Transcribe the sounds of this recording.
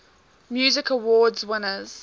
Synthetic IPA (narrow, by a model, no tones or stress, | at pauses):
mjuːzɪkəwɔːdzwɪnəz̥